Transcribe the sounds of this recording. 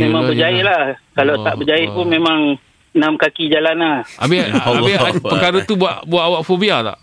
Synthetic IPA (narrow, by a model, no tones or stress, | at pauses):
memãŋbəd͡ʒaɪʔ̚lahkalat̪aʔbəd͡ʒaɪʔ̚pʊnmemaŋ | namkakid͡ʒalanaʔa̰bɪabɪpəkaɾət̪ubaʔbuaʔawaʔfobiat̪a̰ʔ